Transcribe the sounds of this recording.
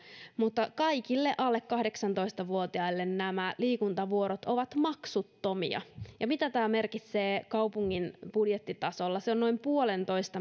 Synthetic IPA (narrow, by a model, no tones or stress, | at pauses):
mut̪ːɑkɑikilːeʔɑlːekːɑhdeksɑnt̪o̞ist̪ɑʋuot̪iɑilːennæmæliːkunt̪ɑʋuoɾot̪o̞ʋɑt̪mɑksut̪ːomḭɑ̰jɑmit̪æt̪æːme̞rkit̪seːkɑupuŋːinb̥udjet̪ːit̪ɑso̞lːɑseonno̞impuole̞nt̪o̞ist̪ɑ